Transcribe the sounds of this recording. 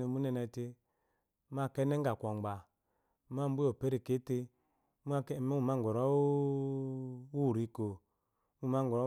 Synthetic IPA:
i˨mu˦nɛ˧nɛ˧˨te˧˦ | m˦a˦˨kɛ˦nɛ˦ŋ˦ɡa˨kʷɔ˨ŋ͡mɡ͡ba˨˦ | m˦a˦˨m˦bu˦o˨pe˦ɾi˨ke˨˦te˧˦ | m˦m˦u˦˨ma˦˨ŋ˨ɡʷɔ˨ɾɔ˦ | wu˦˨ɾi˨ko˨˦ | u˦˨ma˦ŋɡɔ˨ɾ

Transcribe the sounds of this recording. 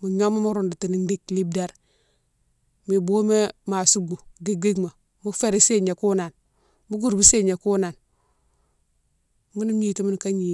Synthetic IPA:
mu˨ɲo˦ma˦mu˦ɾu˨ndu˨ti˨ni˨ndi˦kli˦bda˦ɾ | mi˨bo˦me˦ma˨su˦ɡu˨ɡi˦ɡi˦ɡma˨ | mu˦fe˦˨ɾe˦se˦ɲe˨ku˦na˨n | mu˦ɡu˦˨ɾbi˦se˦ɲe˨ku˦na˨n | mu˦ni˦m˦i˦ti˦mi˦n˨ka˦ɲi˨

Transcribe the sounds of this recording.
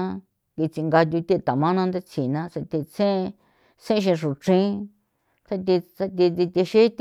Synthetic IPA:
ki˧t͡si˧ŋɡa˧t̪̬ʲu˧t̪ʲi˦˧t̪a˨mã˦nã˧nd̪e˦t͡sʰi˨nã˧˦se˧t̪i˧t͡sẽ˦˧ | sẽ˦ʃ̬ĩ˧ʂu˨ʈ͡ʂĩ˦ | t̪ʰa˧t̪̬i˧t͡sa˧t̪i˧t̪i˧t̪i˧ʃi˦t̪

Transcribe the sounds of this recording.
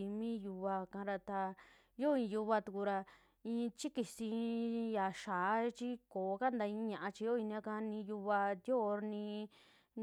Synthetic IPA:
i˧mĩ˦ju˧βa˧kã˧˦ɾa˧t̪a˧ | jo˦ĩ˧ju˧βa˧t̪u˧ku˧ɾa˧ | ĩː˧t͡ʃi˦ki˧si˧ja˨ʃaː˨˦t͡ʃi˦koː˨˦ka˦nd̪a˧ĩ˧˦ɲã˧ʔã˧t͡ʃi˧jo˦ĩ˧nĩ˧ã˧kã˧˦nĩ˧ju˧βa˧d̪jo˦˧nĩ˧

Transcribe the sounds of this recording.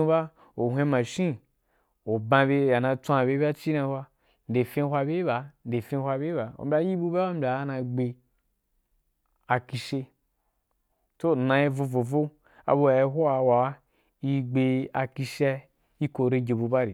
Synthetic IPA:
u˦ba˦ | o˨ɦʷe˧˦ma˨ʃĩ˦ | o˨bã˧be˧ja˨nã˧t͡sã˧˨be˦ba˦t͡ʃi˦na˧˦hʷwa˦˧ | n̩˨de˨fẽ˦hʷa˧be˦ba˨n̩˨de˨fẽ˦hʷa˧be˦ba˨o̰˨m˦bʲa˨˦ji˦bu˦ba˦a˦m̩˦bʲa˨˦na˧ɡ͡be˧ | a˨ki˧ʃe˧ | to˦˨nã˨i˦vo˧vo˨vo˦ | a̰˨bo˧a˨i˦ɦo˦a˨wa˨wa˦ | i˦ɡ͡be˧a˨ki˧ʃe˦ | i˦ko˨ɾe˧ɡe˨bu˧ba˦ɾi˨

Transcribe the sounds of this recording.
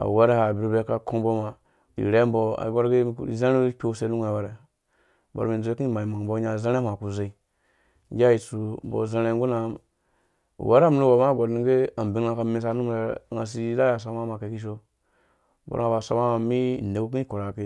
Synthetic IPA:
a̰˨wa˦ɾe˦ha˨bi˨ɾbɾe˨˦ka˨kʰo˦bo˦ma˨ | ḭ˨ɾe˦m˦bo˦a̰˨˦ɡo˦ɾɡe˦˨ze˦ɾe˦kʲo˦se˨˦nu˦ŋ˦a˨we˨ɾe˨ | bo̰˨ɾmi˨˦d͡zu˦e˦ki˦ma˨i˨ma˨bo˦ɲa˨zẽ˦ɾe˦a˨ku˨ze˨˦i˦ | ɡʲa˦ji˨su˨m̩˨bo̰˨ze˦ɾe˦ŋɡu˦na˨˦m̰˨ | wa˦ɾm˨nu˦wa˨ma˦˨ɡo˨dni˦ɡe˦a˨m˨bi˨ŋ˦a˨ka˨me˨s̬a˦nu˦m˨ɾe˨ŋa˨s̬i˦ɾa˦ja˨s̬a˨ma˦ma˨ke˨ki˦ʃ̬o˦ | bo̰˨ɾa˨ba˨sa̰˦ma˦ma˨mi˦˨ne˨ɡu˦k̬ĩ˦ko˨ɾa˨ke˦

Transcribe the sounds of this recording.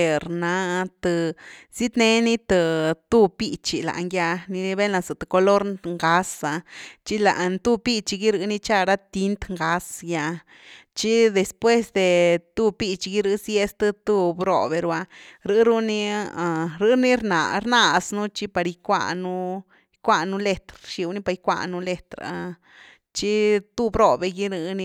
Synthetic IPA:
ɾna˧t̪ɨ˨si˦t̪ne˦ni˦t̪ɨ˧t̪u˦pi˧t͡ʃi˧la̰˨ŋɡʲja˧ni˧be˦nla˧sɨ˨t̪ɨ˨ko˧lo˦ɾŋɡa˧sa˧t͡ʃi˦la̰˨˧nt̪u˧pi˦˧t͡ʃi˧ɡi˦ɾɨ˧˦ni˦˧t͡ʃa˦˧ɾa˦t̪i˧nt̪ŋɡa˧sja˧ | t͡ʃi˦d̪e˨spwe˦sd̪e˨t̪u˦pi˦˧t͡ʃi˧ɡi˦ɾɨ˧sje˦st̪ɨ˦t̪u˦˧bɾo̰˧be˧ɾa˧ɾɨ˧˦ɾu˦ni˦a˨ɾɨ˧˦ni˦ɾna̰˨ɾna˧snu˦t͡ʃi˦pa˧ɾi˧kʷa̰˧nu˦ | jkʷa˧nu˦le˧t̪ɾʃi˧wni˦pa˧jkʷa̰˧nu˦le˧t̪ɾa̰˧ | t͡ʃi˦t̪u˧bɾo˦be˧ɡi˦ɾɨ˧˦ni˦

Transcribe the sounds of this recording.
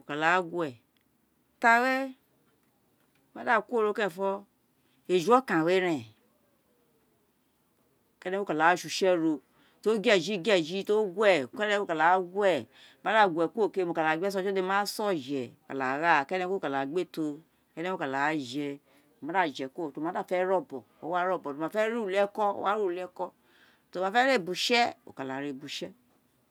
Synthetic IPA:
o˨ka˨la˨˦ɡwɛ˨ | ta˦wɛ˦ | ma˦da˦kʷo˦˨ɾo˦kẽ˦˨fɔ˦ | e˨d͡ʒɔ˦kã˨we˦ɾɛ˨ | kɛ˦nɛ˦o˦ka˨la˨˦ʃu˨ʃɛ˦ɾo˧ | to˦ɡɛ˦˨d͡ʒi˦ɡi˦ɛ˦˨d͡ʒi˦to˦ɡwɛ˦˨kɛ˦nɛ̃˦o˦ka˨la˨˦ɡu˦ɛ˨ | ma˦da˦˨ɡʷɛ˨kʷo˦˨ke˦mo˨ka˨la˨ɡ͡bɛ˦s̬ɔ˧˦˨d͡ʒɛ˦de˧˦ma˦sɔ˦˨d͡ʒɛ˨o˨ka˨la˨ɾa˦˨kɛ˦nɛ˧˦ko˦˨ka˨la˨ɡ͡be˦to˧ | kɛ˦nɛ˦o˦ka˨la˨˦d͡ʒɛ˧˨ | ma˨˦da˦˨d͡ʒɛ˨kʷo˦˨to˨ma˨˦da˦˨fɛ˦ɾɔ˦˨bɔ˨o̰˦wa˦ɾɔ˦˨bɔ˨to˨ma˧˨fɛ˦ɾu˦˨lɛ˦kɔ˦o̰˦wa˦ɾu˦˨lɛ˦kɔ˦ | to˧˨ma˨˧fɛ˦ɾe˦˨bu˨ʃɛ˦o̰˨ka˨la˨˦ɾe˨bu˨ʃɛ˦

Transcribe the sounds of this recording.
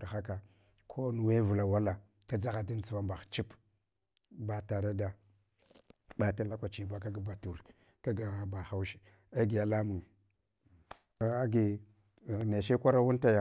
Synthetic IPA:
xa˦ka˨ | kʰo˦nu˨we˦vu˨la˨wa˦la˨ | ka˦d͡za˦ɣa˨di˦n˨t͡su˨va˦mba˨xt͡ʃi˦p | ba˦ta˨ɾa˦da˨ | ba˨ta˦la˦kʷa˨t͡ʃi˦ba˦ka˦ɡa˨ba˨tu˨ɾ | ka˦ɡa˨ba˨xa˦wʃi̥˦ | a˦ɡi˨ja˦la˦mu˨ŋe˨ | a˨a˦ɡi˨ | ne˨ʃe˦kʷa˦ɾa˦wu˦n˦ta˦ja˨

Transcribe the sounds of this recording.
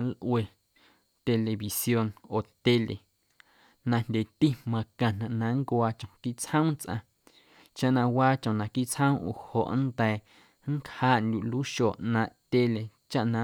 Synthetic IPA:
lʔwe˧˨ | t̪e˧le˨βi˨sjo˧noː˨t̪e˧le˨ | nã˧n̥d̪ʲe˨t̪i˦mã˧kã˨n̥ã˨ʔnã˧˦ŋkʷaː˧t͡ʃõ˨ki˦ʔt͡shə̃˦w̃t͡sʔã̰˧ | t͡ʃa˦ʔnã˧waː˦t͡ʃõ˨nã˨ki˦ʔt͡shə̃˦ʔṵ˨ho˨ʔnd̪ɛː˨ | ŋ˦khaː˦˨ʔnd̪ʲu˨ʔluː˦ʃoː˨ʔnã˧ʔt̪e˧le˨t͡ʃa˦ʔnã˧˦

